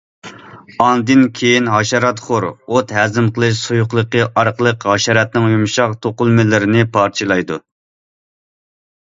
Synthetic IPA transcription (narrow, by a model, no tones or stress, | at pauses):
ɑnd̪ɪnkʲʰejinɦɑʃɑɾɑt̪χoɾot̪ɦæzɪmqəlˠɨʃ̬sojuqlˠəqəʔɑɾqəlˠəqɦɑʃɑɾɑt̪̚nɪŋjumʃɑqt̪ʰoqʊlˠmɪlɪɾɪnɪpʰɑɾt͡ʃʰɨlˠɑjd̪u